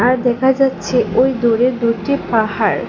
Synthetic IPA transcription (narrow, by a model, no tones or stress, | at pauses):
aɾd̪ɛkʰad͡ʑatːɕʰeʔojd̪oɾeɾd̪uʈipaɦaɾ